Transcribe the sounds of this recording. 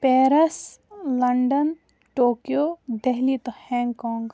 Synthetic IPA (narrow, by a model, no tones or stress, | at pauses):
peːɾɐslɐɳɖən | ʈoːkijoːd̪eɦlit̪ohɛ̃ːŋɡkɔ̃ːŋɡ